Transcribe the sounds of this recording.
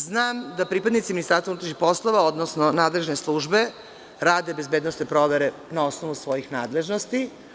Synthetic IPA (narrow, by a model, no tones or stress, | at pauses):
znaːmd̪apɾipad̪nit̪siminist̪aɾst̪vaunuːt̪ɾaʃixpo̞slˠoʋaod̪nosnonaːd̪le̞ʒne̞slˠuːʒbe̞ | ɾaːd̪e̞bezbeːd̪nosnepɾo̞ʋeɾe | nao̞snoʋusʋo̞jixnaːd̪le̞ʒnost̪i